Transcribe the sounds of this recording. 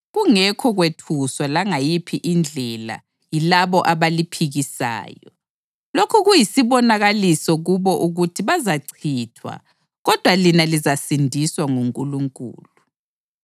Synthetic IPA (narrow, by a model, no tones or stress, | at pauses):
ɣuŋɛkʰɔɣwetʰuswalaŋajipʰiʔind͡ɮʱɛla̰ | jilaβɔʔaβalipʰiɣisa̰ːjɔ̰ | lokʰuɣujisiβɔnaɣalisɔɣuβɔʔuɣutʰiβazaǀʰitʰwa̰ | ɣɔd̥ʱwalinalizasindʱiswaŋuŋkʼuluŋkʼṵːlu